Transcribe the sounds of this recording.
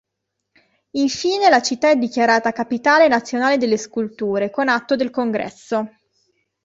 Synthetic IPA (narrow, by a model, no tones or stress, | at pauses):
iɱfiːnelat͡ʃit̪ːaɛd̪ːikjaɾaːt̪akapit̪aːlenat̪sːjonaːled̪elːeskult̪uːɾekonat̪ːod̪elkoŋɡɾɛ̰sːo